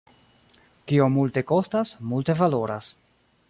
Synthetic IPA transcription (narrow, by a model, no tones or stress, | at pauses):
kio̞multe̞ko̞stasmulte̞valo̞ɾas